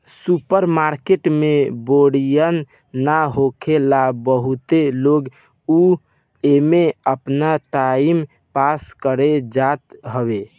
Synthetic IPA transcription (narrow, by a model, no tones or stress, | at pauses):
supəɾmaɾkeʈmeboɽijənː | aɦokʰelabəɦut̪eloɡ | u | emeəpnaʈaim | paskəɾed͡ʒat̪ɦəbe